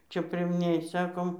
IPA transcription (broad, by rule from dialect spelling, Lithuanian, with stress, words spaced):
ˈt͡ʃʲɛ pʲrʲɪmʲˈnʲeːj ˈsɑːkoːm